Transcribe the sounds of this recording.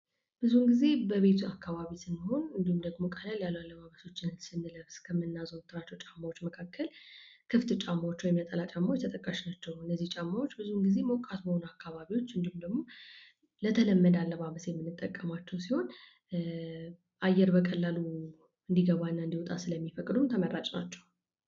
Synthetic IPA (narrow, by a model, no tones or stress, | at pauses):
b̥ɨzuɨŋɡize̞bəβe̞t̪ʰuakʰːaβaβisɨmːəho̞nɨnd̪ihumd̪əɡmo̞kʼəlaljalːalːəmaβəso̞t͡ʃːɪnsɨnːɨləβskʰəmɨnːazont̪ʰɨɾat͡ʃːot͡ʃʼamːawot͡ʃːməkʰakʰːəlkʰɨft̪ɨt͡ʃʼamːawot͡ʃːwɔjmjət̪ʼəlat͡ʃʼamːawt͡ʃt̪ʰət̪ʼəkʼːaʃnat͡ʃːɛwɨnːəzːiht͡ʃʼamːawo̞t͡ʃːbɨzuɨŋɡize̞mokʼat̪bəho̞nakʰːaβaβiwo̞t͡ʃːɨnd̪ihumd̪əɡmo̞ | lət̪ʰələmːəd̪alːəmaβəsjɛmːɨnːɨt̪ʼːəkʼːəmat͡ʃːɛwsiho̞n | ʔajːɛɾbəkʼəlːalu | ɨnd̪iɡəβanːaɨnd̪iwɔt̪ʼasɨləmːifəkʼd̪umt̪ʰəmərːat͡ʃʼnat͡ʃːɛw